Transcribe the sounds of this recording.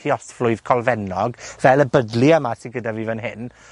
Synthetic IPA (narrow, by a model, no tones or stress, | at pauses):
iɔsflʊɨðkʰɔlˠvɛnɔɡvɛlˠəbədliəmatʰiɡədaviːvanɦɪn